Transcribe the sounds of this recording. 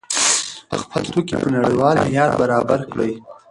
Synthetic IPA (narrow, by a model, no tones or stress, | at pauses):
ə̰xpʰat̪t̪okipənaɽəjwɑlmjɑt̪̚baɾɑbaɾkɽə̰j